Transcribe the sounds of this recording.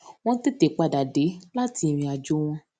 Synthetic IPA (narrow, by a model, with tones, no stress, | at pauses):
w̃ɔ̃˦te˦te˨˦k͡pa˨da˨de˨˦la˦ti˧˨m̃ĩ˧a˧d͡ʒo˨˦w̃ɔ̃˧